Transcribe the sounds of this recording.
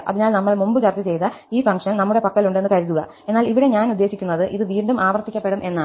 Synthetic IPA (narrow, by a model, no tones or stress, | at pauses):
ɐ̰ðinaːlnɐmːɐɭmumbɨt͡ɕɐrt̪ːɐt͡ɕe̞jt̪ɐ | iːfɐŋʂɐnnɐmːuɽe̞pɐkːɐluɳɖenːɨkɐɻuðuɣɐ̰ | e̞nːaːliʋiɽe̞ɲaːnud̪ːe̞ːɕikʲːunːɐðɨʔiðɨʋiːɳɖumʔaːʋɐrt̪ːikʲːɐpːeɽumʔe̞nːa